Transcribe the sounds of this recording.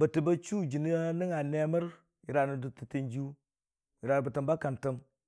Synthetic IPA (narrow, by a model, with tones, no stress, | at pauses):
bə˨ti˨ba˦t͡ʃu˦d͡ʒi˨ni˦a˦ni˦ŋa˨ne˦mə˦ɾ | ji˨ɾa˨nu˨du˨ti˨ti˨˦nd͡ʒi˦u˦ | ji˨ɾa˨bə˨tə˨mba˦ka˨ntə˦m